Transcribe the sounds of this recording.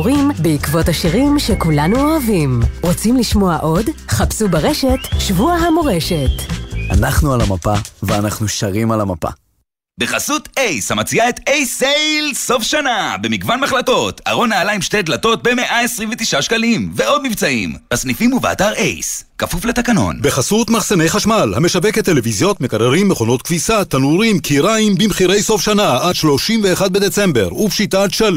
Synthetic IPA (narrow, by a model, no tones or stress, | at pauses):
ʁimbeikvo̞thaʃiʁimʃekulanuoavimʁot͡simliʃmo̞aʔo̞dχapsubeʁeʃe̞tʃvuaɦamoʁe̞ʃe̞tʔa̰naχnualamapaveanaχnuʃaʁimalamapa̰ | beχasutejshamat͡siaet̪ejsejlso̞fʃanabemiɡvanmaχlato̞t̪a̰ʁo̞naːlaimʃtead̪lato̞t̪̚beme̞ʔaesʁiɱvet̪iʃaʃkalimveo̞d̪mivt͡saḭmhasnifimuvea̰t̪aʁḛjskafuflet̪akano̞̰nbeχasut̪maχsene̞jχaʃmalhame̞ʃaveket̪ːelevizjo̞t̪me̞kaʁeʁimːeχo̞no̞t̪kvisat̪anuʁimkʰiʁaimbimχiʁe̞jso̞fʃanaad̪ʃlo̞ʃimve̞ːχad̪̚be̞d̪e̞t͡se̞mbe̞ʁupʃitatʃal